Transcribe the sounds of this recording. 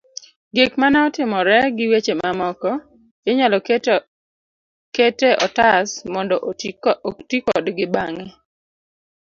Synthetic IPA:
ɡɪkmanaɔtɪmɔɾɛɡɪwet͡ʃemamɔkɔ | eɲalɔ | keteʔɔtasmɔndɔ | tikɔdɡɪbaŋɛ

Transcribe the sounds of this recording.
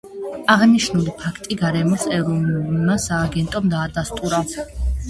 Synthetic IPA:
aʁniʃnulipʰakʰt̪ʼiɡaɾɛmɔsɛɾɔnumasaːɡɛnt̪ʼɔmd̪aːd̪ast̪ʼuɾa

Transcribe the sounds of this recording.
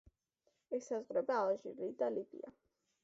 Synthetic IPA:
ɛsazʁɾɛbaːʒḭlid̪alibḭa

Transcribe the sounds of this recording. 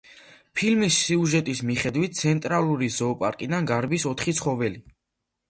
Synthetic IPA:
pʰilmisːiuʒɛt̪ʼismiχɛd̪wit̪̚ʰt̪sʰɛnt̪ʼɾalˠuɾizɔːpʼaɾkʼid̪anɡaɾbisɔt̪ʰχit̪sʰχɔvɛli

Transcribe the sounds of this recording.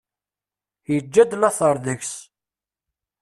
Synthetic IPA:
jəd͡ʒːæd̪nɑθəɾˤðəçs

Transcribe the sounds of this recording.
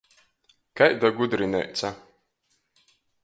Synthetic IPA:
kajd̪aɡud̪ɾinɛ̰jt̪sa

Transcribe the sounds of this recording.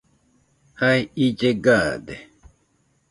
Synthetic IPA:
hajid͡ʒeɡaːd̪e

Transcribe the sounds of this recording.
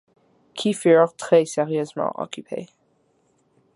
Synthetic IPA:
kʰifyʁt̪χɛsɛʁjøzmɑ̰̃ʔɔ̰kʰypʰḛ

